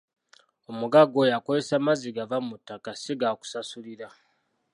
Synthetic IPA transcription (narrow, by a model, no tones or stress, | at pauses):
o̞muɡaɡo̞ːjakozesamaziɡavamutːakasiɡaku̥sasuliɾa